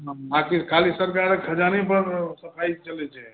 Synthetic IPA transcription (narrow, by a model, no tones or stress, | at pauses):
bãkikʰalisəɾkaɾekʰəd͡ʒanepəɾsəpʰajt͡ʃəlɛt͡ʃʰɛ